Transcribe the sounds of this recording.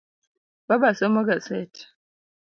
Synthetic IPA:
babasomɐɡasat

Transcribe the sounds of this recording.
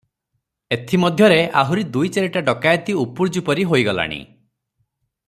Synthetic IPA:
et̪ʰimɔd̪ʱjɔɾeʔa̰ɦuɾid̪ujt͡ʃeɾeʈaɖɔkajt̪iupuɾd͡ʒupɔɾiɦojɡɔla̰ɽ̃ḭ

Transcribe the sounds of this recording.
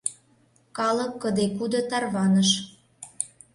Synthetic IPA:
kɑlə̆kːəd̪ekud̪ɤ̆t̪ɑrβɑnəʃ

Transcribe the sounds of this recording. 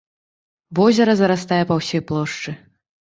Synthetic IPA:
vɔzʲɐɾɐzɐɾas̬t̪ajɛpɐwsʲɔjplˠɔʂt͡ʂɨ

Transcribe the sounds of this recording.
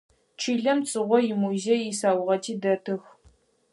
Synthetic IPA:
t͡ʃʰiːɮɐmt͡sʼɨʁʷɔjimuzejisaːwʊʁɐtʰiːdɐtʰɨx

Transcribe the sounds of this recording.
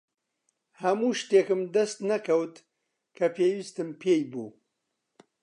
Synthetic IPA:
hɐmuːʃt̪eːkɨmd̪ɐst̪nɐkɐwt̪ | kʰɐpʰeːwist̪ɨmpʰeːjbṵː

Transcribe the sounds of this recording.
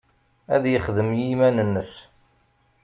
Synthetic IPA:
æ̰ðjəχðəmjimænənːəs

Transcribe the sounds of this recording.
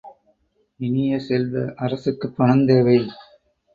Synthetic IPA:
ɪnɪjɐsɛlʋɐ̰ʔɐɾɐsɯkːɯpːɐɳɐnd̪eːʋɐɪ

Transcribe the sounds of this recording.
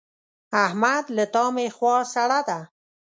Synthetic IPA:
ahmad̪lət̪ɑmexwɑsaɽad̪a

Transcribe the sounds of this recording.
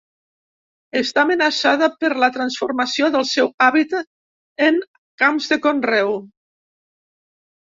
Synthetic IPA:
əst̪aːmənasaðəpəɾlət̪ɾənsfuɾməsioðəlˠsɛwaβit̪ət̪̚ | əŋ | kamzðəkonrɛw

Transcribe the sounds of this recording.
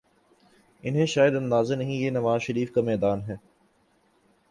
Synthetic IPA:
ɪnɦẽʃaːjɪəd̪ɐ̃nd̪aːzanɐɦĩjeːnɐʋaːzʃəɾiːfkamɛːd̪aːnɦɛː

